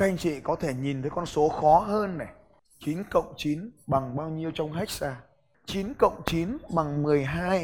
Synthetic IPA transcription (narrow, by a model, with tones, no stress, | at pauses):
tʰa˧jŋ̟t͡ɕḭ˧˨kɔ˨˦t̪ʰe˧˩ɲi˨˩nt̪ʰə˨˦jkɔ˧nso˨˦xɔ˨˦ɦəː˧nːa˨˩ | t͡ɕi˨˦nkə̰˧˨wŋ͡mt͡ɕi˨˦nɓa˨˩ŋɓaː˧wɲi˧əwt͡ɕɔ˧wŋ͡mxa˦˥jk̟̚zaː˧ | t͡ɕi˨˦nkə̰˧˨wŋ͡mt͡ɕi˨˦nɓa˨˩ŋmɨ˨˩əjɦaː˧j